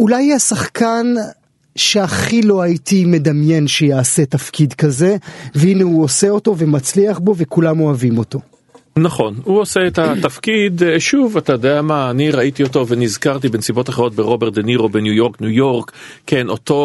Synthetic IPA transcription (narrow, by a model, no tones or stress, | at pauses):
ʔulajhasaχkan | ʃe̞aχilo̞ɦaitime̞damje̞nʃejaːse̞tafkidkaze̞veineuose̞o̞to̞ve̞mat͡sliaχbo̞ve̞kulamo̞avimo̞to̞ | naχo̞nhuoseetat̪afkid̪ʃuvatajod̪eamaːniʁait̪ioto̞venizkaʁt̬ibensibo̞taχeʁo̞t̪̚beʁo̞beʁtd̪eniʁobenjujo̞ʁknujo̞ʁkkːeno̞to